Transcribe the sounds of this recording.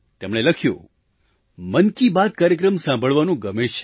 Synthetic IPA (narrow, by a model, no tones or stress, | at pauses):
t̪emɽ̃eləkʰjõ̰ | mənkibad̪̚kaːɾjəkɾəmsãmbʱəɭʋanũɡəmet͡ʃʰe̥